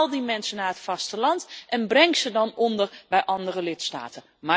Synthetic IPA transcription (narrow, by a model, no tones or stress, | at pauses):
lˠdimɛnsənaːətfɑstəlɑntʔɛnbrɛŋksədɑnɔndərbɛjʔɑndərəlɪtsta̰ːtə | ma